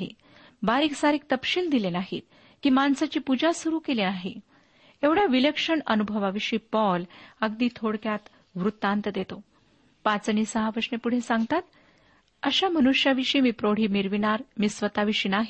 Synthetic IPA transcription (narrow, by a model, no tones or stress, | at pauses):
ḭ | baɾiːksaɾik̚t̪əpɕiːld̪ilenaɦḭt̪ | kiːmansat͡ɕiːpud͡ʑasuɾuːkelenaɦḭ | eʋɽjaʋiləkʂəɳənubʱəʋaʋiɕiːpɔləɡd̪iːt̪ʰoɽkjat̪ | ʋɾut̪ːant̪əd̪et̪o | pat͡sniːsəɦaʋəʂnepuɽ̤esaŋɡ̚t̪at̪ | əɕamənuʂjaʋiʂiːmiːpɾoɽ̤iːmiɾʋinaɾmisʋət̪aʋiɕiːnaɦi